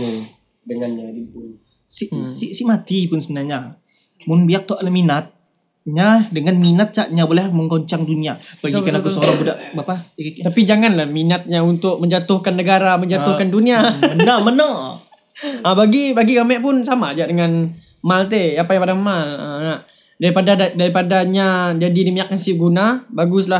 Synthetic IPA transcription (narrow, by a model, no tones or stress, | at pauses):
dəŋana | siʔsiʔsiʔmat̪ipʊnsəbənarɲa | mʊnbiak̚t̪ɔʔlaminat̪̚ | ɲadəŋanminat̪̚t͡ʃaʔɲabolɛhməŋkoɲt͡ʃaŋduniabaɡikanakusəoɾaŋbudaʔbapaikit̪apid͡ʒaŋanlahminat̪̚ɲaunt̪ʊk̚məɲd͡ʒat̪ʊhkanːəɡaɾaməɲd͡ʒat̪ʊhkanduniamənəmənə | əbaɡibaɡiɡamɛʔpʊnsamad͡ʒaʔdəŋan | malt̪̬eapajaŋpadamalə̰naʔ | daɾipadaadaɾipadaɲad͡ʒadidimiɲakːansiɡunabaɡʊs̬la